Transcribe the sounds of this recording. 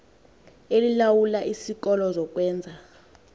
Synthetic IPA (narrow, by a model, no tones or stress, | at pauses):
elilawulaʔisik̬ɔlɔzɔk̬ʼwɛːnd͡zʱa